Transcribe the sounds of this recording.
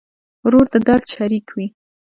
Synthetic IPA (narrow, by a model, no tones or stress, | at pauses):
wɾoɾd̪əd̪aɾd̪ʃaɾikʰwi